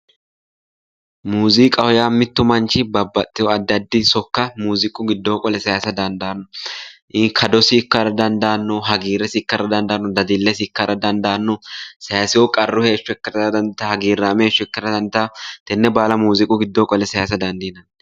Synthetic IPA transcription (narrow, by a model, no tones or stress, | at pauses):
muːzɪkʼɐhɔjaːmɪt̪ːʊmɐnt͡ʃɪbɐbːɐt̪ʼːɪjɔɐd̪ːɐd̪ːɪsɔkːɐmuːzɪkʼːʊɡɪd̪ːo̞ːkʼɔlɛsɐjaːsɐd̪ɐnd̪ɐːnːɔʔɪkʰɐd̪ɔsɪːkːɐɾɐd̪ɐnd̪ɐːnːɔɦɐɡiːɾɛsɪɪkːɐɾɐd̪ɐnd̪aːnːɔd̪ɐd̪ilːesɪɪkːɐɾɐd̪ɐnd̪anːɔsɐjaːsɪwɔkʼɐrːʊhe̞ːʃːʊɛkːɐɾɐɐd̪ɐnt̪ːɐhɐɡiːɾːaːmeːʃːʊɛkːɐɾɐd̪ɐnt̪ɐt̪ɛnːɛbaːlɐmuːzɪkʼːʊɡɪd̪ːoːkʼɔlɛsɐjasɐd̪ɐnd̪iːnɐn